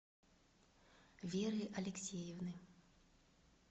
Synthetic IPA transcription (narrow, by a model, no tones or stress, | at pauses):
vʲɛɾɨʔɐlʲɛksʲejɛwnɨ